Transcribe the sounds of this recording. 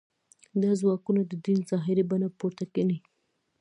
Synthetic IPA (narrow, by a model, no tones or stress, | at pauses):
d̪ɑzwɑkunad̪əd̪inzɑɦɪɾibanapoɾt̪akeni